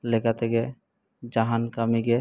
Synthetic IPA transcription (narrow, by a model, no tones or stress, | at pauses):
lekat̪ʰeke | d͡ʒaɦankamiɡe